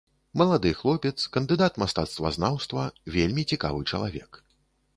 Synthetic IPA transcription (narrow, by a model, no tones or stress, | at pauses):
mɐlˠad̪ɨxlˠɔpʲɛt̪skɐnd̪ɨd̪at̪mast̪at̪st̪vɐ̰znawst̪vɐvʲelʲmʲit͡sʲika̰vɨt͡ʂɐ̰lˠa̰vʲɛ̰k